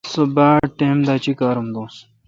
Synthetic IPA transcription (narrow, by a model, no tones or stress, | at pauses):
sobaːʈeːmd̪aːt͡ɕikaːɾumd̪õː